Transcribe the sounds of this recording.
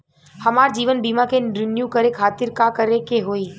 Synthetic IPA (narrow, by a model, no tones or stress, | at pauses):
həmaːɾd͡ʒiːʋənbiːmãkeɾɪnjukəɾekʰaːt̪ɪɾkakəɾekeɦoːiː